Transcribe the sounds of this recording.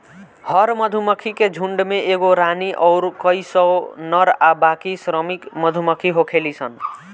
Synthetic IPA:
hʌɾməd̪ʱuməkʰiked͡ʒʱuɳɖmeʔeɡoɾaniʔɔwɾkəjsʌnʌɾabakisɾəmikmʌd̪ʱuməkʰiɦokʰelisʰʌn

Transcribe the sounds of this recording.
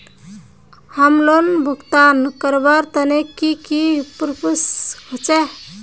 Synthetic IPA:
həmlonbʱəɡt̪ankəɾbaɾt̪ənekikipɾpʰusɦot͡ʃe

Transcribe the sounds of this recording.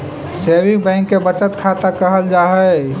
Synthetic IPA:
sebibɛ̃ɪŋkːebət͡ʃət̪kʰat̪akəɦəld͡ʒaːɦɛ

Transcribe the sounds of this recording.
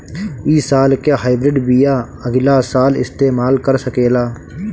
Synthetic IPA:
iːsaːlkaːɦaːɪbɾɪɖbija | əɡlasaːlɪ̰st̪eːmaːlkəɾsəkeːlaː

